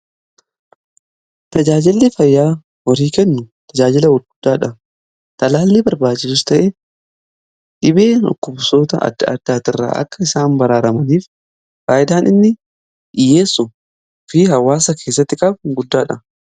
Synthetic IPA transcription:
t̪ɐd͡ʒaːd͡ʒɪlːɪfɐjːaː | wɐɾiːkɛnːʊt̪ɐd͡ʒaːd͡ʒɪlɐwɔɾɡʊd̪ːaːᶑɐ | t̪ɐlaːlːiːbɐɾbaːt͡ʃːɪsʊst̪ɐʔe | ᶑɪbeːnɔ̰kːʊbso̞ːt̪ɐʔɐ̰d̪ːɐɐ̰d̪ːaːt̪ɪrːa̰ːʔɐ̰kːɐɪsaːmbɐɾaːɾɐmɐniːf | faːʔɪd̪aːnɪnːɪ | ʔɪjːeːsːʊ | fɪhɐwaːsɐkʰe̞ːsːɐt̪ːɪkʼɐbɡʊd̪ːaːᶑɐ

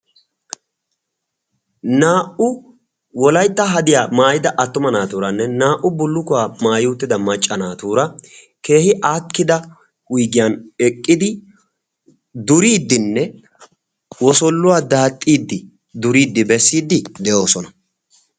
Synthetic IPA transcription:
naːʔʊ | wɔlɐjt̪ːɐɦɐd̪ɪjaːmaːjɪd̪ɐʔɐt̪ːʊmɐnaːt̪uːɾɐnːɛnaːʔʊbʊlːʊkʊwaːmaːjuːt̪ːɪd̪ɐmɐt͡ʃʼːɐnaːt̪uːɾɐ | ke̞ːhɪʔaːkːɪd̪ɐ | wʊjɡɪjanɛkʼːɪd̪ɪ | d̪ʊɾiːd̪ːɪnːɛ | wɔsɔlːʊwaːd̪aːt̪ʼːiːd̪ːɪ | d̪ʊɾiːd̪ːɪbɛsːiːd̪ːɪd̪ɛʔo̞ːsɔnɐ

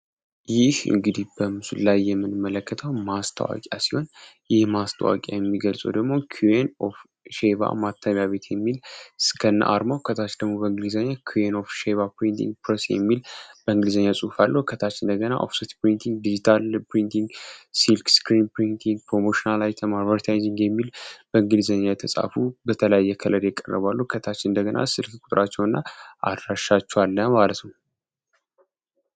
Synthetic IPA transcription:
jɪhɨ̰ŋɡɨd̪ihbəmɨsullajːɛmːɨnɨmːələkʰːət̪ʰəwmast̪ʰə̰wa̰kʼa̰siho̞n | jɪhmast̪ʰə̰wa̰kʼa̰jɛmːiɡəlsʼə̰d̪əɡmo̞kʰuenof | ʃeβa̰mat̪ʰːəβjaβe̞t̪ʰjɛmːilskʰən̰ːʔa̰ɾmawkʰət̪ʰat͡ʃd̪əɡmo̞bəɨŋɡɨlizəɲːakʰueno̞fʃeβapɾint̪ʰḭŋɡpɾəsjɛ̰mːilb̥əɨŋɡɨlizəɲːasʼuhfalːəhkʰət̪ʰat͡ʃːɪnd̪əɡəna̰ʔo̰fsit̪pɾint̪ʰiŋɡ̚d̪id͡ʒit̪ʰalpɾint̪iŋɡsilkskɾinpɾint̪ʰiŋɡ̚pɾo̞moʃinalajt̪ʰəmaɾvəɾt̪ʰajziŋɡjɛmːilbəɨŋɡɨlizəɲːajt̪ʰəsʼa̰fubət̪ʰələjajːɛkʰələd̪jɛkʼːərːə̰βalːuhkʰət̪ʰat͡ʃːɪɨnd̪əɡəna̰sɨlkkʷʼu̥t̪ʼɾat͡ʃːɛwɨnːaʔa̰d̪ɾaʃːat͡ʃːɛwalːəmalət̪nəw

